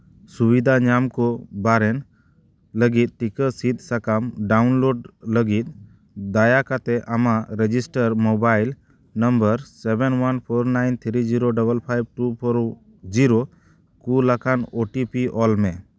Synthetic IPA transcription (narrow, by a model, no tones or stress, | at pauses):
subid̪ʱaɲamkɔbaɾɛn | ləɡit̪̚ʈikəsit̪̚sakamɖawnloɖləɡit̪̚ | d̪ajakat̪ɛʔamaɾɛd͡ʒisʈəɾmobajl | nəmbəɾsɛbɛnwanpʰoɾnajnt̪ʰɾid͡ʒiɾoɖəbəlpʰajb̚ʈupʰɔɾ | d͡ʒiɾo | kulakanoʈipiɔlmɛ